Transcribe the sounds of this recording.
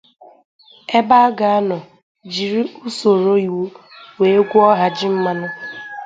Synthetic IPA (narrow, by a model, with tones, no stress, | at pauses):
e˦ba˦a˦ɡa˨a˦nɔ˨ | d͡ʒi˨ɾi˦u˦so˨ɾo˦i˨wo˦ | we˨e˦ɡʷu˦ɔ˦ɦa˨d͡ʒi˦m̩˦ma˦nʊ˦